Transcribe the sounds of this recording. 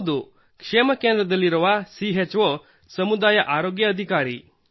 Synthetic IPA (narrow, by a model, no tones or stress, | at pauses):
d̪u | kʂeːmɐkeːnd̪ɾɐd̪ɐlːiɾɔʋasiɦet͡ʃʋɔ | sɐmud̪aːjɐʔaːɾoːɡjɐːd̪ʱikaːɾḭ